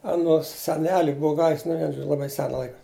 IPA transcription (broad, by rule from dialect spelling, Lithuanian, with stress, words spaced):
ɐˈnoːs sʲɛˈnʲæːlʲɪ ˈbʊʊ ˈɡɑːʋʲɪs nʊ ˈʋʲiɛn ˈʒoːd͡ʒʲʊ lˠɐˈbɐɪ ˈsʲæːnɐ ˈlˠɐɪkɐ